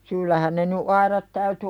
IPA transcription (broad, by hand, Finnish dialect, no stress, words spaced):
syːlːæhæn ne ny ɑiɾɑt tæyty